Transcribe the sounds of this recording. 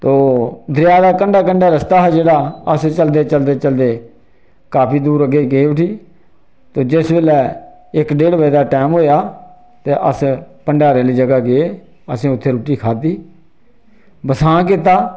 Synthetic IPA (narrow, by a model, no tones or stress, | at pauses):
t̪oːd̪ʱɾɪjaːd̪aːkəɳɖaːkəɳɖaːɾəst̪aːɦɛːd͡ʒeːɽaːəst͡ʃəld̪eːt͡ʃəld̪eːt͡ʃəld̪eː | kaːpʰiːd̪uːɾəɡeːɡeːʋɪʈʰiː | t̪oːd͡ʒɪsbeːlɛː | ɪkɖeːɽbəid̪aːʈɛːmɦoːjaː | t̪eːʔəspəɳɖaːɾeːliːd͡ʒəɡaːɡeeː | əsĩːʊt̪ʰːeːɾʊʈiːkʰaːt̪iː | bəsãːk̬ɪt̪̬aː